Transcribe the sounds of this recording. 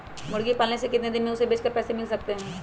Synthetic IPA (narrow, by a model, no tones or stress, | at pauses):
mʊɽɡipaːlnesekɪt̪ned̪ɪnmẽʊsebeːt͡ʃkəɾpɛːsemɪlsɐk̚t̪eɦɛ̃ː